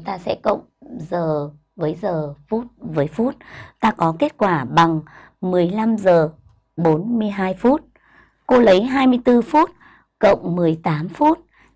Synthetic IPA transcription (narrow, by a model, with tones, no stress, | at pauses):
t̪aː˧sɛ̰˧˥kə̰˧˨wŋ͡mzəː˨˩ | vəː˨˦jzəː˨˩fu˦˥t̚vəː˨˦jfu˦˥t̚t̪aː˧kɔ˨˦ke˦˥t̚kwaː˧˩ɓa˨˩ŋ | mɨ˨˩əjla˧mzəː˨˩ | ɓo˨˦nmɨ˧əjɦaː˧jfu˦˥t̚ | ko˧lə˨˦jɦaː˧jmɨ˧əjt̪ɨ˧fu˦˥t̚ | kə̰˧˨wŋ͡mmɨ˨˩əjt̪aː˨˦mfu˦˥t̚